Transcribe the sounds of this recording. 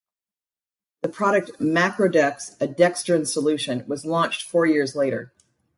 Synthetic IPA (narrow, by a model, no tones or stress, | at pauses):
ðɨpʰɹ̥ɑɾɨk̚t̚mækɹoʊdɛksɨdɛkstɨ̃nsəlʉʃɨ̃nwʌzlɔ̃nt͡ʃtfɔɹjɪɹzleɪɾə̰˞